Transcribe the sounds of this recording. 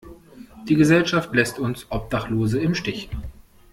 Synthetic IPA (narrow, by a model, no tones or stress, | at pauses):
d̥iːɡəzɛlʃaftlɛstʊnsʔɔp̚d̥aχloːzəɪmʃtɪç